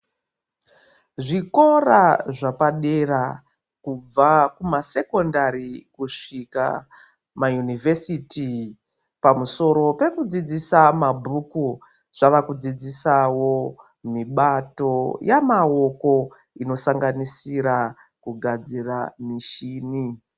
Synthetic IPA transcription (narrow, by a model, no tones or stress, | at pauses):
ʐiko̞raʐapaɗera | kub͡vakumase̞ko̞ndaɾikuʂika̰ | majunivesiti | pamuso̞ɾo̞pe̞kud͡zid͡zisamabʱuku | ʐ̥aʋakud͡zid͡zisawo̞ | miɓato̞jamao̞ko̞ | ino̞saŋɡanisiɾa | kuɡʱad͡ziramiʃiːni